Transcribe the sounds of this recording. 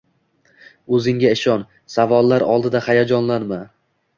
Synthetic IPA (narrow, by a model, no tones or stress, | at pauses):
ɵzɪŋɡʲaɪʃɒn | savɒlˠːaɾɒlˠd̪ɪd̪ahajad͡ʒɒnlanma